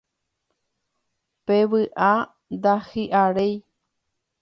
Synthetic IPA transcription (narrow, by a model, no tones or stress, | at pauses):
peβɨʔa | d̪ahɨʔaɾej